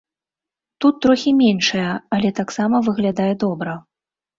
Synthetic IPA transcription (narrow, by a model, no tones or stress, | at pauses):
t̪ut̪ːɾɔxʲimʲenʂɐjɐɐlʲɛt̪aksamɐvɨɣlʲad̪ajɛd̪ɔbɾɐ